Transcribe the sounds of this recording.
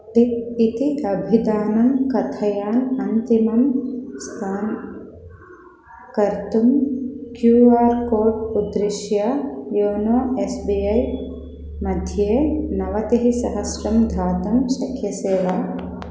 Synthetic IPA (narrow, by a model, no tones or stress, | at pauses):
d̪iit̪iʔɐbʱid̪aːnɐmkɐt̪ʰɐjaːnɐnt̪imɐmst̪ʰaːn | kɐɾt̪umkjuːaːɾkoːɾɖud̪ɾiʃjɐjoːnoːesbiɐj | mɐd̪ʱjeːnɐʋɐt̪iɦisɐɦɐsɾɐmd̪ʱaːt̪ɐmʃɐkʰjɐseːʋɐ